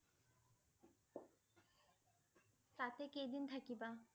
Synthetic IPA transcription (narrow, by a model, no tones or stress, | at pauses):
t̪at̪ekejd̪int̪ʰakiba